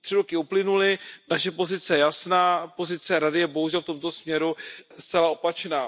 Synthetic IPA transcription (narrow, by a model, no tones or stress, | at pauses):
t̪r̥ɪɾokɪuplɪnulɪnaʃɛpo̞zɪt͡sɛjɛjasnaːpo̞zɪt͡sɛɾadɪjɛbo̞ɦuʒɛlft̪o̞mt̪o̞smɲɛɾust͡sɛlao̞pat͡ʃnaː